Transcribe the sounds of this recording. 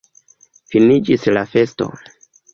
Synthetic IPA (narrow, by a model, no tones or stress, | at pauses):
finid͡ʒislafe̞sto̞̰